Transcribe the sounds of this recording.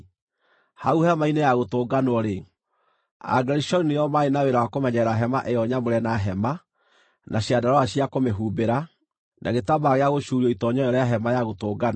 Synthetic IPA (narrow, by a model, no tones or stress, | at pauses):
hauhɛmainejaɣotoːɡanɔɾe | a̰ɡɛɾiʃɔɾinejɔmaenaweɾawakomɛɲɛɾaɦɛmaʔejɔɲamoɾɛnaɦɛma | nʔaɕiadaɾɔaɕiakomeɦuːbeɾa | nʔa̰ɣetabaɣeaɣoʃuːɾiɔitɔɲɔɔɾɛjaɦɛmajaɣotoːɡan